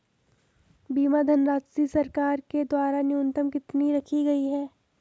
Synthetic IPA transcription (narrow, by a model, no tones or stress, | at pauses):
biːmad̪ʱɐnɾaːd͡ʒsisɐɾkaːɾked̪waːɾanjuːnt̪əmkɪt̪niɾɐkʰiɡɐiɦɛː